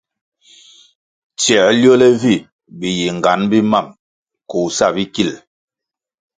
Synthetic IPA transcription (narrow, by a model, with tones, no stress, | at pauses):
t͡ʃjɛ˨ljɔ˦lɛ˦vi˦˨ | bi˨ji˨ŋ˨ɡa˨˦nbi˦ma˦˨m | ko˨sa˦˨bi˦ki˦˨l